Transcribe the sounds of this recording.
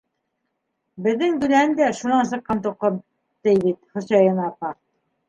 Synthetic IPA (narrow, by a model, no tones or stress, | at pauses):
bɘ̆ðːɘŋɡ̪ʉlænd̪æʃunɑns̬ɤ̆qːɑnt̪̬ŭqːɤm | t̪ɘjβit̪χŏsɑjɤ̆nɑpɑ